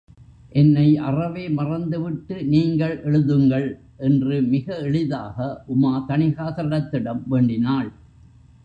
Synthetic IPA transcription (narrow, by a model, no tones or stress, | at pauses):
ʔɛnːɐɪʔɐ̰rɐʋeːmɐrɐnd̪ɯʋɪʈːɯniːŋɡɐɭʔɛɻɯðɯŋɡɐɭ | ʔɛndrɯmɪɣɐɛɭɪðaːɣɐʔʊmaːt̪ɐɳɪɣaːtɾɐɽɐt̪ːɪɽɐmʋeːɳɖɪnaːɭ